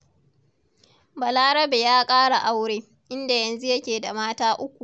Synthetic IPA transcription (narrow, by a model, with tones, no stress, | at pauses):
bɐ˨laː˦ɽɐ˦be˨jaː˦kʼaː˦ɽa˨ʔa˦wɽeː˦ | ʔɪ˦nda˨jɐ˨nzu˦jɐ˦kʲeː˨da˨maː˦taː˦ʔʊ˦kʷu˨ʔ